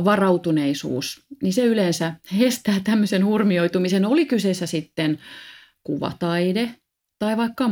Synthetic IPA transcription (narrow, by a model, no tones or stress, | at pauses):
ʋɑrɑut̪uneisṵːsniseylensæhest̪æːt̪æmːøsenhurmioit̪umisenolikyseːsːæsit̪ːen | kuʋɑ̰t̪ɑide | t̪ɑiʋɑikːɑ